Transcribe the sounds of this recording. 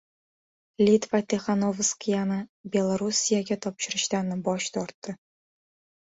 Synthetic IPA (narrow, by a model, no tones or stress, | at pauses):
lʲit̪vat̪ʲeχɑnovskjɑnɑbʲelˠaɾusʲijaɡʲɘt̪ɒpɕɪ̆ɾə̆ɕt̪ɑnɤbɒɕt̪ɒrt̪ːɤ̆